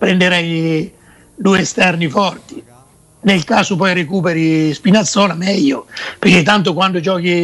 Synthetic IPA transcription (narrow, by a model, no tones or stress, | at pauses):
pɾɛnɖ̪eɾɛj | d̪uːeɛst̪ɛrnifɔrt̪i̥ | nelkaːsʊpɔjrekuːpeɾispinat̪sːɔːlamɛʎːʊperket̪ːant̪̬ʊkwanɖʊd͡ʒɔːki